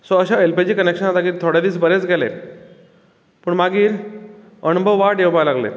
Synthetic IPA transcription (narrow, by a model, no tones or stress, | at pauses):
sɔəɕaelped͡ʑiːkənekʂənat̪akit̪ʰoɽjad̪iːsbəɾet͡sɡɛlḛ | pəɳmaɡiːɾ | ənbʱəʋːaʈjewbalaɡlḛ